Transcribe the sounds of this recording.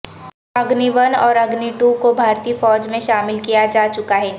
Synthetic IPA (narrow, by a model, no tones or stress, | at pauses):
ɐɡniʋɐnɔːɾɐɡniʈukobʱaːɾt̪iːfɔːd͡ʒmẽʃaːmɪlkijad͡ʒaːt͡ʃʊkaɦɛː